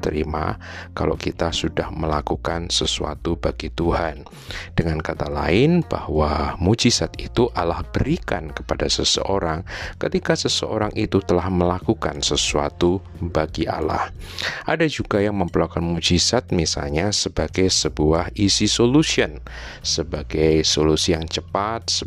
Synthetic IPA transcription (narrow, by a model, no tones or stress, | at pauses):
t̪əɾima̰ | kalo̰kit̪asudahməlakukansəsua̰t̪ubaɡit̪uhan | dəŋankat̪alaɪnb̥a̰hwamud͡ʒisat̪̚it̪uʔalahb̥əɾika̰nkə̥padasəsə̰ʔoɾaŋkət̪ikasəsə̰ʔoɾaŋʔit̪ut̪əlahməlakuka̰nsəsua̰t̪u | baɡiʔa̰la̰hʔadad͡ʒuɡajaŋməmpəɾlakanmud͡ʒisat̪̚misa̰lɲasəbaɡajsəbuahisisolusiən | səbaɡajsolusijaŋt͡ʃəpat̪̚sə